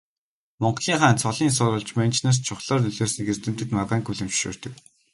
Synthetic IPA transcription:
mɔɴɢɮiːŋχaːnt͡sʰɔɮiːns̬ʊɾʊːɮt͡ɕment͡ɕʰnaːs̬t͡ɕʰʊχɮɔːrnɵɮoːsniɡert̪ɘ̆m̥t̪ɘ̆t̪maʁaːŋkuɮɘ̆mt͡ɕʃo̰ːr̥t̪ɘ̆k

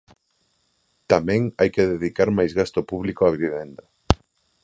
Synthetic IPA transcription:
t̪amɛ̃ŋajkeðeðikaɾmajzɣast̪ʊpuβlikoaβiβiβɛnd̪a

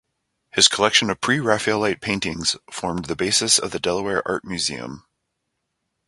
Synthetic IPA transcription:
hɨz̥kʰəlɛkʃɨ̃nʌv̥pʰɹ̥iɹæflˠaɪt̚pʰẽɪ̃ntɪ̃ŋz̥fɔɹmðɨbeɪsɨsʌ̰vðɨdɛlˠəwɛɹʔɑ̰ɹt̚mjʉzḭɨ̰̃m

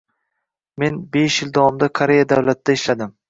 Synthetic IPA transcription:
me̞nbe̞ʃjɪld̪awɒmd̪akʰaɾe̞jad̪awlat̪̚ʰd̪aɪʃlad̪ɪm

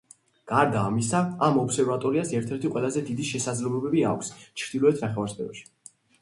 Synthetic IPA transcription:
ɡ̥aɾd̪aːmisaːmɔpsɛɾvat̪ʼɔɾiasɛɾt̪ʰɛɾt̪ʰiqʼwɛlˠazɛd̪id̪iʃɛsad̪zlɛbɛbɛbia̰kʷʰst͡ʃʰɾd̪̥ilˠɔɛt̪ʰnaχɛvaɾspʰɛ̰ɾɔʃi̥

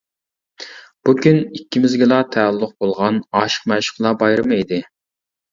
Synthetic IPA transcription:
b̥ukʲynikʲʰːimɪzɡʲɪlɑt̪ʰɛːlˠːʊq̚bolˠʁɑnɑːʃə̥qmæʃɪ̥χlˠɑbɑjɾɨmɨid̪ɪ

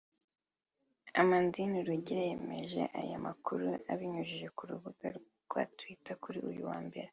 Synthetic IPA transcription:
amandiniɾuɟiɾaje̞me̞̰ʒe̞̰ʔa̰jamakuɾuʔaβiɲuʒiʒe̞kuɾuβuɡaɾ | ɡ̥watwitakuɾiujṵwaːmbe̞ɾe

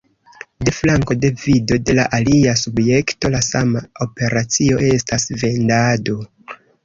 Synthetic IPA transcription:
de̞flaŋko̞de̞vido̞de̞laʔaliasubje̞kto̞lasamao̞pe̞ɾat͡sio̞ʔe̞stasve̞ndado̞

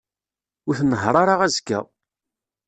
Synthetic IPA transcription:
ʊɾθnəɦɾˤɑɾaʁæzɡæ̰

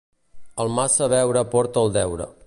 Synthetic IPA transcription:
əlˠmasəβɛwɾəpɔɾt̪əːlˠd̪ɛwɾə̰

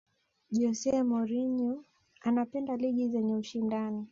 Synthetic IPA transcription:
ʄɔsɛmɔɾiɲɔ | anapɛndaliɠizɛɲɛuʃindani

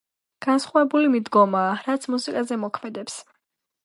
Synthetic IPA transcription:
ɡ̥ansχavɛbulimid̪ɡɔmaːɾat̪sʰmusikʼazɛmɔkʰmɛd̪ɛps

